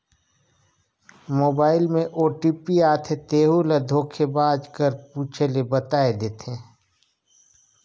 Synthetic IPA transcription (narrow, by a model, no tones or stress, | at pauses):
moːbaːɪlmẽʔoːʈiːpiaːt̪ʰet̪eːɦulad̪ʱoːkʰebãːd͡ʒkəɾpuːt͡ʃʰelebət̪aːed̪eːt̪ʰẽː